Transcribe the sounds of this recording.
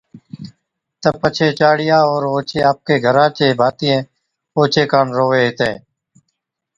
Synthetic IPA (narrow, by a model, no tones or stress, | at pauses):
t̪əpət͡ʃʰeːt͡ʃaːɽɪjaːoːɾoːt͡ʃʰeːaːp̚keːɡʱəɾãːt͡ʃeːbʱaːt̪ɪːẽː | oːt͡ʃeːkəɳɾoːʋeːɦɪt̪ẽː